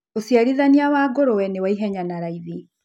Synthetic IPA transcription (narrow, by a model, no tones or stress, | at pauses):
osiaɾiðaniawaːɡoɾowɛnewaiɦɛɲanaɾaiði